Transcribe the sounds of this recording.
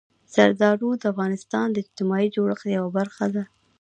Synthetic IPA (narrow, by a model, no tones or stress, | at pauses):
saɾd̪ɑɖud̪əafɣɑnɪst̪ɑnd̪əɪd͡ʒt̪ɪmɑid͡ʒoɽəxd̪əjawabaɾxad̪a